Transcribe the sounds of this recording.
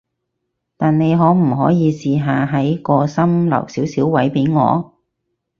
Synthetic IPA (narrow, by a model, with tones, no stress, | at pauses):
t̪aː˨nne˨˧jɦɔː˨˥m̩˨˩ɦɔː˨˥jiː˨˧siː˨˧ɦaː˨˧ɦɐ˨˥jkɔː˧sɐ˥mlɐ̰˨˩wsiː˨˥wsiː˨˥wwɐ˨˥jpe˨˥jŋɔ̰ː˨˧